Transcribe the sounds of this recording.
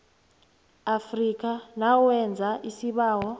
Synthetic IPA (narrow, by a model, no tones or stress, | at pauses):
afrik̬anawɛnd͡zʱaʔisiɓaːwɔ